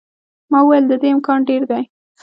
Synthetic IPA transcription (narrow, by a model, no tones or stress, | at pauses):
mɑuwajld̪əd̪eɪmkɑnɖeɾd̪aj